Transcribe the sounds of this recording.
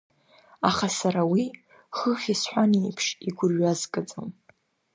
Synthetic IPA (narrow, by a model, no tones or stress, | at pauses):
aχasaɾawi | χəχʲisħʷanejpʰʂiɡʷʊrɥazkʼad͡zɨm